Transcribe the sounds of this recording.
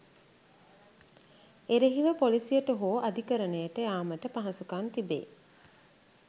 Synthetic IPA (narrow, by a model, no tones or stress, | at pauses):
eɾeɦiʋəpolisijəʈəɦoːʔad̪ikəɾənejəʈəjaːməʈəpaɦɐsukant̪ibḛː